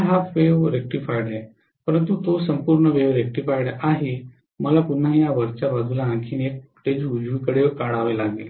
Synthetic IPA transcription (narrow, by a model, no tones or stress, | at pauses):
aɦafʋeʋɾek̚ʈifajɽɦe | pəɾənt̪ut̪osəmpuɾɳəʋeʋɾek̚ʈifajɽaɦi | məlapun̤ːaɦijaʋəɾt͡ɕabad̪ʱulaãkʰiːnek̚ | ʈed͡ʑud͡ʑʋikəɽekaɽaʋelaɡel